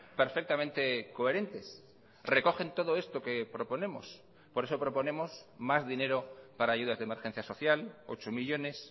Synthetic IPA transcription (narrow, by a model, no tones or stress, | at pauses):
pe̞ɾfek̚t̪ament̪e̞ko̞e̞ɾe̞nt̪e̞s | re̞ko̞xe̞nt̪o̞ðoe̞st̪o̞ke̞pɾo̞po̞nẽ̞mo̞̰s | po̞ɾe̞so̞pɾo̞po̞ne̞mo̞smazðine̞ɾopaɾaːʝuðazðemeɾxe̞n̟θjaso̞θjalo̞̰t͡ʃomiʎo̞ne̞s